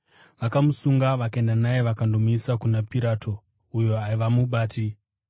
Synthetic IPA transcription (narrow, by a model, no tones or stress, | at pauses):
ʋakamusuŋɡaʋakae̞ndanajeʋakando̞muisakunapiɾaːtʰo̞ | ujo̞aiʋamuɓaːti